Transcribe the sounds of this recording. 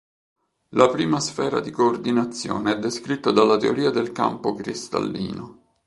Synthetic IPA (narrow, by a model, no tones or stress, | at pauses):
lapɾiːmasfɛːɾa̰d̪ikoːrd̪inat̪sːjo̰ːneɛd̪ːeskɾit̪ːad̪alːat̪eoɾiːad̪elka̰mpokɾist̪a̰lːḭːno